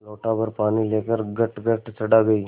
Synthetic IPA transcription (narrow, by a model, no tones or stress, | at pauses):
loːʈapɐɾpaːnileːkəɾɡɐʈɡɐʈsɐɽaɡɐi